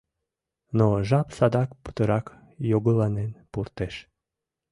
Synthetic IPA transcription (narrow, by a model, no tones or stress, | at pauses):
noʒɑpsɑd̪ɑkpə̥t̪əɾɑk | joɡəlɑnenpurt̪eʃ